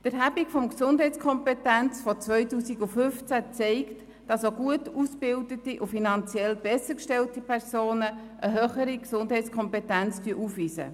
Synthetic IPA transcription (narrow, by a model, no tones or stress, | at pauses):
d̥əɾɦæbikfɔmksʊnd̥ɦɛɪt͡skʰɔmpɛtænt͡sfɔt͡sʋœʏtuːsiɡʊfʏft͡sæt͡sɛɪkt | d̥ɑsoɡuətuːsb̥ɪldətiʔufinɑnt͡sjɛlb̥ɛsəɾkʃtɛltipʰɛɾsoːnə | ʔəɦøːχəɾiksʊndɦɛɪt͡sskʰɔmpɛtænt͡styəʔuːfʋiːsə̰